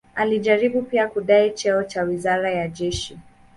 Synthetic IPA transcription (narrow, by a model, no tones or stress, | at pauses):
aliʄaɾiɓupiakuɗait͡ʃɛɔt͡ʃawizaɾajaʄɛʃi